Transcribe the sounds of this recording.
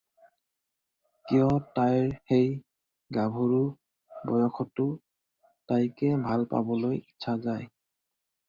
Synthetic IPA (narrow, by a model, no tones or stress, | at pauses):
kijɔtajɹxej | ɡabʱoɹu | bɔ̰jɔkʰɔtːʊ | tajkɛbʱalpa̰bɔlojitːʃʰazaj